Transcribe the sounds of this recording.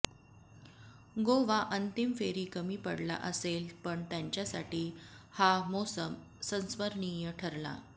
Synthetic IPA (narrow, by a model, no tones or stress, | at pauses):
ɡoʋaʔənt̪imfeɾiːkəmiːpəɽla̰ʔəselpəɳt̪jãɲt͡ɕjasaʈiːhamosəm | sə̃nsʋəɾɳijəʈʰəɾla̰